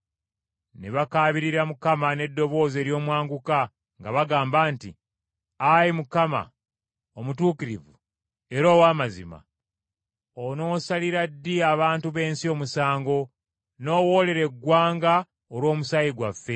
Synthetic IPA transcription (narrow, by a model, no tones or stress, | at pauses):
neβakaːβiɾiɾamukamane̞dːo̞βo̞ːze̞ːɾjo̞ːmwaːŋɡuka | ŋɡaβaɡaːmbaːntḭ | ajimukama̰ | omutuːkiɾivṵ | e̞ɾoːwaːmazḭma̰ | ono̞ːsaliɾadːiaβaːntuβe̞ːnsio̞ːmusaːŋɡo̞ | no̞ːwo̞ːle̞ɾe̞ɡːwaːŋɡa | olwo̞ːmusajiɡwafːe̞